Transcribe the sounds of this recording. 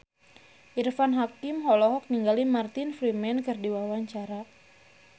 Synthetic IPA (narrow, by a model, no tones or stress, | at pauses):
ʔirfanɦakimɦɔlɔɦɔk̚niŋɡalimart̪infɾimɛnkɨrdiwawaɲt͡ʃaɾa